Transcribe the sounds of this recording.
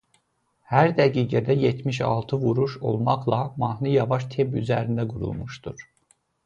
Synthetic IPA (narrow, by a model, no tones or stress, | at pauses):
hæɾd̪æɡiːɡæd̪æjet̪ʰmiʃɑ̰lˠt̪ʰɯvuɾuʃo̞̰lˠmɑχlˠɑmɑhnɯjɑvɑʃ̬t̪ʰeby̰zæɾind̪æɡuɾṵlˠmuʃd̪̥uɾ̥